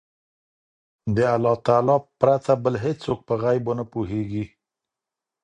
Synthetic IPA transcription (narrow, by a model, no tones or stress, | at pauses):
d̪əalːɑt̪ɑlɑpɾat̪abəlɦet͡sok̚pəɣajbonapuɦeɡi